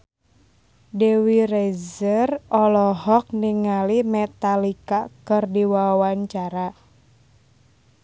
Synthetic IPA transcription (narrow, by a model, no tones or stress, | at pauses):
dɛwiɾɛzərɔlɔɦɔk̚niŋalimɛt̪alikakɨrdiwawaɲt͡ʃaɾa